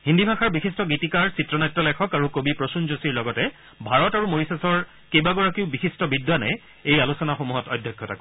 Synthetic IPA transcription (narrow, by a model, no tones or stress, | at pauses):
ɦindibʱaxaɹbixʰistɔɡitikaɹsitɹɔnajtːɔlɛkʰɔkaɹukobipɹosunzusiɹlɔɡɔtɛ | bʱaɹɔtaɹumoɹisasɔɹ | kejbaɡɔɹakiʊbixistɔbidwanɛ̰ | ejalusɔnaxomuɦɔtɔjdʱjɔkʰːjɔta̰k